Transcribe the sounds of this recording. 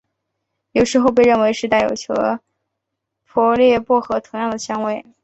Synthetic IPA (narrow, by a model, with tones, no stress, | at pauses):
jo˨˩ʊʂɻ̩˧˥xo˥˧ʊp̬e˥˧ɪɻə˥˩nwe˧˥ɪʂɻ̩˥˧t̪a˥˩jo̰˨˩ʊt͡ɕʰjɔ˧˥ | pʰwɔ˥ljɛ˥˧pwɔ˥˩xɤ˧˥t̪ʰʊ˧˥ŋjɑ˥˩ŋd̪ə˩ɕjɑ˥ŋwe˥˩ɪ